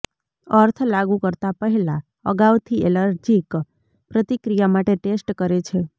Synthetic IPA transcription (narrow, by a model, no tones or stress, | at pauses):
əɾt̪ʰlaɡukəɾt̪apəɦɛla | ə̰ɡawt̪ʰieləɾd͡ʒik | pɾət̪ikɾijamaʈeʈesʈkəɾet͡ʃʰe